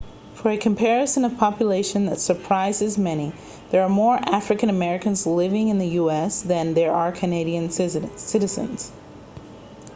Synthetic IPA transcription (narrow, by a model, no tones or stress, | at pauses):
fə˞ɨkʰɨ̃m̩pʰɛɹɨsɨ̃nʌv̥pʰɑpjɨleɪʃɨ̃nðɨtsə˞pʰɹ̥aɪzɨzmɛni | ðə˞ːmɔɹʔæfɹɨkɨ̃ñɨmɛɹɨkɨ̃nzlɪvɪ̃ŋɨ̃nðɨjuɛsðɨ̃nðə˞a˞kʰɨneɪɾiɨ̃nsɪɾɨzɨ̰̃nz̥